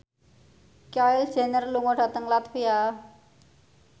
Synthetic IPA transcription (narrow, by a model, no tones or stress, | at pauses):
kaɪl̥d͡ʒ̥ɛ̤nərluŋoɖ̥a̤t̪əŋlat̪fia